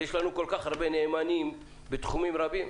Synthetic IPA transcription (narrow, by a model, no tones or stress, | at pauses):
jeʃlanuko̞lkaχhaʁbenemanim | bet̪χumimʁabim